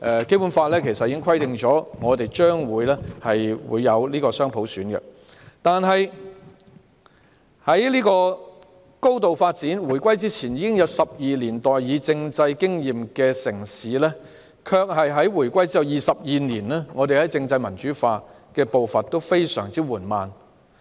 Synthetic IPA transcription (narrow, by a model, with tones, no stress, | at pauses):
ʔɛ˨˧ke˥jpu˨˦˥nfaː˧lɛː˥kʰe˨˩sɐ˨t̚jiː˨˦kɪ˥ŋkʰwɐ˥jt̪ɪ˨ŋt͡ʃɔː˨˥ŋɔː˨˧t̪e˨jt͡ʃœː˥ŋwuː˨˧jlɛː˥hɐ˨jwṵː˨˧jːɐ˨˧wliː˥kɔː˧sœː˥ŋpʰo˨˥wsyː˨˥nkɛ̰˧ | t̪aː˨nɦɐ˨j | hɐ˨˥jliː˥kɔː˧ | ko˥wt̪o˨wfaː˧t̚t͡siː˨˥nwu˨˩jkʷɐ˥jt͡siː˥t͡sʰiː˨˩njiː˨˧kɪ˥ŋjɐ˨˧wsɐ˨p̚jiː˨liː˨˩nt̪ɔː˨jjiː˨˧t͡sɪ˧ŋt͡sɐ˧jkɪ˥ŋjiː˨mkɛː˧sɪ˨˩ŋsiː˨˥lɛː˥ | kʰœː˧k̚hɐ˨jɦɐ˨˥jwu˨˩jkʷɐ˥jt͡si˥ɐ˨˩wjiː˨sɐ˨p̚jiː˨niː˨˩nlɛː˥ŋɔː˨˧t̪e˨jhɐ˨˥jt͡sɪ˧ŋt͡sɐ˧jmɐ˨˩nt͡ʃyː˨˥faː˧ | kɛː˧po˨wfɐ˨nt̪o˥wfe˥jsœ̰ː˨˩ŋt͡siː˥wuː˨˩nmaː˨n